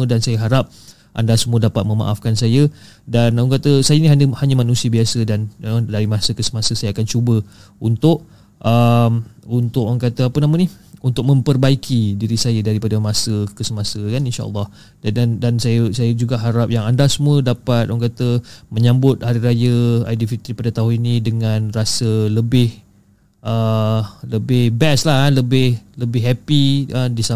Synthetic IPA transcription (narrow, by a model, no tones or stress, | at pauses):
ədansajəɦaɾap̚ | ʔa̰ndasəmũədapat̪̚mə̃ma̰ʔafkansajə | danaŋkat̪əsajəiniɦaɲəhaɲamanũsiəbiasədanədaɾimãsəkəsəmasəsajaakant͡ʃubə | unt̪ʊʔ̚ | ʔəmunt̪ʊk̚aŋkat̪əapənamə̃nihunt̪ʊk̚mə̃mpərbaikʰidiɾisajədaɾipadəmãsəkəsəmãsəkaninʃa̰ʔə̰lˠˤːɑh | dadandansajəsajəd͡ʒuɡaʔɦaɾap̚jaŋandasəmũədapat̪̚ʔɔaŋkat̪əməɲãmbʊt̪̚haɾiɾajəa̰jdifit̪ɾipadat̪aɦʊninĩdəŋãnrasələbɪh | ʔələbɪhbɛslahanləbɪhləbɪɦɛpiədisa